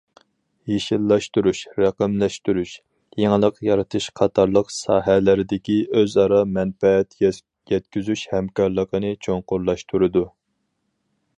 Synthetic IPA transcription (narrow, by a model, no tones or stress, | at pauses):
jeʃilˠːɑʃt̪uɾuʃɾæqəmlɛʃt̪uɾuʃ | jeŋəlˠəqjɑɾɑt̪ʰɨʃqʰɑt̪ʰɑɾlˠəqsɑːɦælɪɾɪd̪ɪkʲiʔøzɑɾɑmɛnfɛɛt̪ | jɛt̪̚kʲyzyʃhɛmkɑɾlˠəqənɨt͡ʃʰoŋqʊɾlˠɑʃt̪ʰuɾɨd̪u